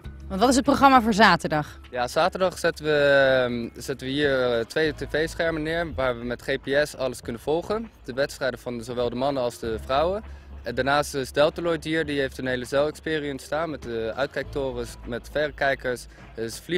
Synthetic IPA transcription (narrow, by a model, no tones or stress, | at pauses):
ʋɑntʋɑtɪs̬ət̚proχrɑmaːvʊːɹzaːtəɹdɑχ | jaz̥aːtəɹdɑχsɪtəʋə | z̥ɪtənʋəɦiːɹtʋejtevejsχɛɹmənɪːɹʋaːɹʋəmɛtχepeɛsɑləskɵnənv̥ɔlˠχənd̥əʋɛtstrɛjdəvɑnzowʋɛlˠdəmɑnənɑlˠzdəvrɑwəɛndaːɹnaːstzdɛlˠtəlɔjdiːɹdiɦejftənɦejləzɛlˠɛkspɪːriəntstaːnmɛtəʔœ̰ɥt̚kɛjk̚tʊːrəsmɛtfɛrəkɛjkəɹs | ɪsfli